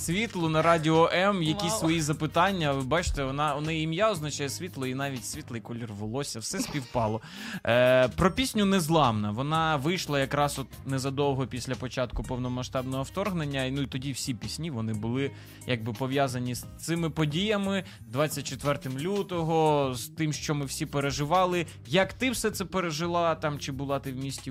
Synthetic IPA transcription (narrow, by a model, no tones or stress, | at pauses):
sʲʋʲit̪lˠʊnɐɾɑdʲɪɔʔɛmjɐkʲisʲsʋɔjizɐpɪt̪ɑnʲːɐʋɪbɑt͡ʃɪ̥t̪ɛɔnɑɔnɪimjaɔznɐt͡ʃɑjɛsʲʋʲit̪lˠɔinɑʋʲitʲsʲʋʲit̪lˠɐjkɔlʲirʋɪlˠɔsʲɐwsɛsʲpʲiwpɑlˠɔ | pɾɔpʲisʲnʲʊnɛzlˠɑmnɐʋɔnɑʋɪjʃlˠɐjɐkɾɑsɔt̪nɛzɐd̪ɔwˠɦɔpʲisʲlʲɐpɔt͡ʃɑt̪kʊpɔwnɔmɐʃt̪ɑbnɔɦɔwt̪ɔrɦnenʲːɐnuit̪ɔdʲiwsʲipʲisʲnʲiʋɔnɪbʊlˠɪ | jʔɐɡ̚bɪpɔʋʲjazɐnʲist̪sɪmɪpɔdʲijɐmɪ | d̪ʋɑt͡st͡sʲːɐt̚ʲt͡ʃet̪ʋɛrt̪ɪmlʲut̪ɔɦɔz̥t̪ɪmʃt͡ʃɔmɪwsʲipeɾeʒɪʋɑlˠɪ | jɐkt̪ɪwsɛt̪sɛpeɾeʒɪlˠɑt̪ɑmt͡ʃɪbʊlˠɑt̪ɪwmʲisʲtʲi